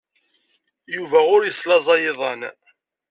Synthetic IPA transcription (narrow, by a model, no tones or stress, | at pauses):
juvæʊɾjəslɑzˤɑjɪðˤɑn